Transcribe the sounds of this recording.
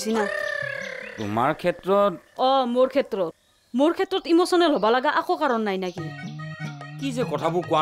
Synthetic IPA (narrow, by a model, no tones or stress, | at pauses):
sina | tṵmaɹkʰɛtɹɔt̚ɔmoɹkʰɛtɹɔt̚ | moɹkʰɛtɹɔtimɔsɔnɛlɔbalaɡaʔakokaɹɔnːajnaki | kizɛkɔtʰabʊkʊwa